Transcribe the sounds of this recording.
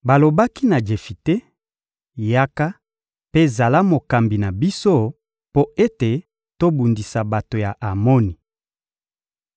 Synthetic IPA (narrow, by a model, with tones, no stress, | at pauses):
ba˨lo˨ba˦ki˦na˨d͡ʒe˨fi˨te˦ | ja˦ka˦ | pe˦˨za˨la˦mo˨ka˨mbi˨na˨bi˦so˦ | po˦e˦te˨ | to˦bu˨ndi˨sa˨ba˨to˨ja˨ʔa˨mɔ˦ni˨